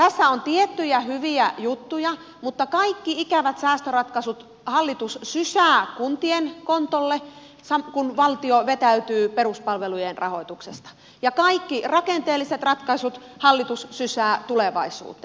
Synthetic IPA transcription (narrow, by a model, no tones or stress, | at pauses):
t̪æsːæont̪iet̪ːyjæhyʋiæjut̪ːujɑ | mut̪ːɑkɑikːiikæʋæt̪sæːst̪ørɑt̪kɑsut̪ | hɑlːit̪ussysæːkunt̪ienkont̪olːe | sɑmkunʋɑlt̪ioʋet̪æyt̪yːperuspɑlʋelujenrʔɑ̰hoit̪uksest̪ɑ̥ | jɑkɑikːirɑkent̪eːlːiset̪rɑt̪kɑisut̪hɑlːit̪ussysæːt̪uleʋɑ̰isṵːt̪e